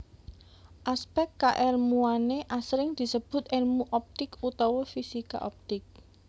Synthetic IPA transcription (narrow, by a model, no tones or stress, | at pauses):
ʔaspɛkkaʔɛrmuaneʔasɾɪŋd̪̥i̤səb̥ʊ̤t̪elmuʔɔp̚t̪ɪkut̪ɔwɔfisika̰ʔɔp̚t̪ɪk̚